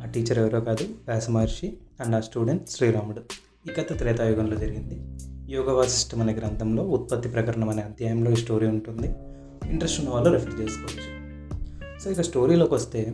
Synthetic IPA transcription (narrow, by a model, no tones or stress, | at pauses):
aːʈiːt͡ʃɐɾeʋɐɾoːkaːd̪uʋɛːsɐmaɾʂi | ɐɳɖaːsʈuːɽeɳʈʃɾiːɾaːmuɽu | iːɡɐt̪ːet̪ɾɛːt̪aːjɔːɡɐnlo̞ːd͡ʒɐɾiɡind̪ijɔːɡɐʋaːsi̥sʈɐmɐnɐkɾɐnt̪ʰɐmlo̞ːut̪̚pɐt̪ːipɾɐkɐɾɐɳɐmɐneːɐnt̪jaːjɐmlo̞ːiːsʈo̞ːɾiːuɳʈund̪i | iɳʈɾesʈunɐʋaːlːoːɾɐfʈt͡ʃe̞ːsu̥kɔːʋɐt͡ʃːu̥ | so̞ːikɐsʈo̞ːɾiːlo̞ːkiʋɐst̪e̞ː